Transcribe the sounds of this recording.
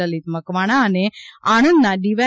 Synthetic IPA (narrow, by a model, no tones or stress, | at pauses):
əlit̪məkʋaɽ̃aəneaɽ̃ə̃nd̪naɖiʋa